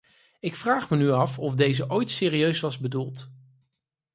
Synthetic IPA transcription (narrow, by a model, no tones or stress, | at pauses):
ɪkfraːχmənyɑfɔvdejzəʔojtsɪːriøɥsʋɑzbədulˠt